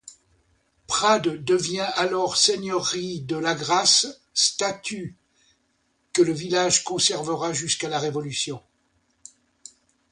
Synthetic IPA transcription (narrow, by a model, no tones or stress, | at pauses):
pχad̪ːəvjɛ̃ʔalɔʁseɲœʁid̪əlaɡʁasː | t̪at̪ʰy | kələvilaʒkɔ̃sɛʁvəʁaʒyskalaʁevɔlysjɔ̃